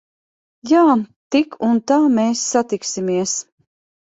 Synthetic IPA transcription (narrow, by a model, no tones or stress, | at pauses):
jaːt̪ikʰunt̪aːmeːsːat̪iksimiɛs